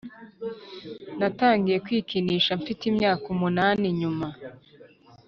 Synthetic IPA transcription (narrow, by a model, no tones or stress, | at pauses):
nataːŋɡije̞kwiːkiniːʃaɱfitimɲaːkumunaːniɲuma